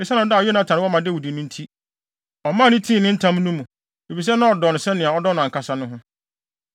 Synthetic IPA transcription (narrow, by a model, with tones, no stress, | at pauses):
ɪ˨sɛ˦ã˨ɔ˦da˦˨jɔ˦nã˨˦tʰã˨ɾɪ˦wɔ˦mã˨dɪ˦˨wu˨di˨nɪ̃˦n̩˦tʰi˦ | ɔ˨mã˦˨nɪ̃˦tʰĩ˦˨nɪ̃˦n̩˦tʰã˦m˦nũ˦mũ˨ | e˨bi˨s̬ɛ˦nã˦ɔ˨dɔ˨nʊ̃˨sɛ˦nɪ̃˨a˨ɔ˦dɔ˦nʊ̃˨ŋ̩˨kʰa˦sa˦nʊ̃˦ɦʊ̃˦